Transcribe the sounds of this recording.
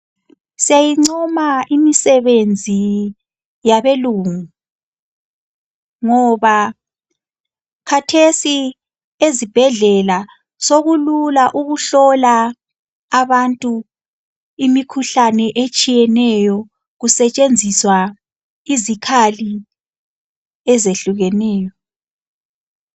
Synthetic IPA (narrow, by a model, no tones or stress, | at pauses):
siajiŋ͡ǀɔmaimisɛβend͡zʱi | jaβeluːŋu | ŋɔβa | kʰatʰesi | ezib̥ʱɛɮɛla | soɣululaʔuɣuɬɔlaː | βantʼu | imikʰuɬanɛʔet͡ʃʼijɛnɛjɔ | ɣusɛt͡ʃʼend͡zʱiswa | izikʰali | ɛzeɬuɣɛnɛːjɔ